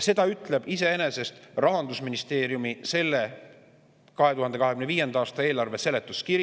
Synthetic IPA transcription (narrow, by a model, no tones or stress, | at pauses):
se̞d̪̥ɑyt̪ˑle̞b̥ise̞ene̞se̞st̪rɑɦɑnd̪usminist̪e̞ːɾjumise̞lːe | kɑɦe̞t̪uhɑnd̪eɑɦe̞kymneviːje̞nd̪ɑɑːst̪ɑe̞ːlɑrve̞se̞let̪ˑːuskiɾ